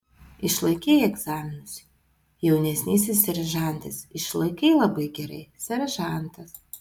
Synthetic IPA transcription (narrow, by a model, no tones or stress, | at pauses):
ɪʃlˠɐɪkʲɛːɛɡzɑːmʲɪnʊsʲ | jɛʊnʲɛsʲnʲiːsʲɪsːʲɛɾɐʒɑˑnʲt̪ʲɐsɪʃlˠɐɪkɛɪlˠɐbɐɪɡʲɛɾɐ̰ɪsʲɛɾʲɐʒɑˑnt̪ɐs